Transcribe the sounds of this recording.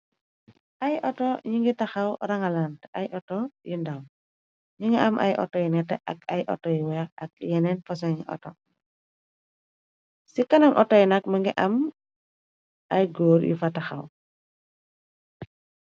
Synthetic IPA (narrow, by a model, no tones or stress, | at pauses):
ʔɐjʔɔtɔɲiŋɡitɐxɐwɾɐŋɐlantɐjʔɔtɔjindam | ɲuŋɡiɐmʔɐ̰jʔɔ̰tːɔjinɛtɛʔɐkɐjʔɔ̰tːɔjiwɛɾɐk̚jɛnɛnfɐsɔɲiʔɔ̰tɔ | sikɐnɐŋʔɔtːɔjinɐkməŋɡiʔɐm | ɐjɡoːɾjḭfɐtɐxɐ̰w